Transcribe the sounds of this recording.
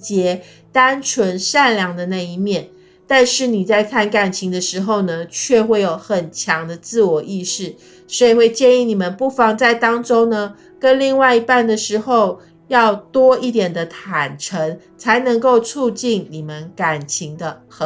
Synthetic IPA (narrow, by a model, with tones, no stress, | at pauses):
t͡ɕjɛ˧˥ | t̪a˥nʈ͡ʂʰwə˧˥nʂa˥˧nljɑ˧˥ŋd̪ə˨na˥˩i˥˧mjɛ˥˩n | t̪a˥˧nʂɻ̩˥˩ni˨˩t͡sa˥˧ɪkʰa˥˩nka˨˩nt͡ɕʰi˧˥ŋd̪ə˧ʂɻ̩˧˥xo˥˧˩ʊnə˩t͡ɕʰɥɛ˥˧xwe˥˩ɪjo˨˩ʊxə˨˩nt͡ɕʰjɑ˧˥ŋd̪ə˧t͡sɹ̩˥˩wɔ˨˩ʔi˥˧ʂɻ̩˥˩ | swɔ˧˥i˨˩xwe˥˧ɪt͡ɕjɛ˥˧ni˥˩ni˨˩mə˦npu˥˩fɑ˧˥ŋt͡sa˥˩ɪt̪ɑ˥ŋʈ͡ʂo˥ŋnə˨ | kə˦˥nli˥˧ŋwa˥˩ɪi˧˥pa˥˩nd̪ə˨ʂɻ̩˧˥xo˥˧ʊ | jɑ˥˩ʊt̪wɔ˥i˥˩t̪jɛ˨˩nd̪ə˦t̪ʰa˨˩nʈ͡ʂʰə˧˥ŋ | t͡sʰa˧˥ɪnɤ˧˥ŋko˥˧ʊt͡sʰu˥˧t͡ɕi˥˩nni˨˩mə˦nka˨˩nt͡ɕʰi˧˥ŋd̪ə˧x